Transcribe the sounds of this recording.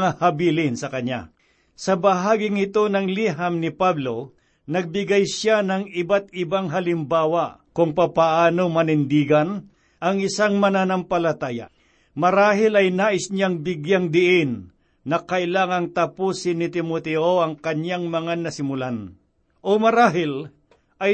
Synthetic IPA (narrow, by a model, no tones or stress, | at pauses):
ŋahɐbiːlɪnsɐkɐɲa̰ | sɐbɐɦaːɡɪŋɪt̪o̞nɐŋliɦamnɪpablo̞ | nɐɡ̚bɪɡajsjanɐŋɪbat̪̚ɪbaŋɦɐlɪmbaːwɐkʊŋpapaʔaːnomɐnɪnd̪iːɡɐn | ʔɐŋɪsaŋmɐnanɐmpɐlɐt̪aːja̰ | mɐɾaːɦɪlɐjnaːʔɪsɲaŋbɪɡjaŋd̪ɪʔɪnː | ɐkɐʔɪlaːŋɐŋt̪ɐpusɪnɪt̪ɪmot̪ɛʔoɐŋkɐɲaŋmɐŋanɐsɪmʊlan | ʔomɐɾaːɦɪl | ʔɐj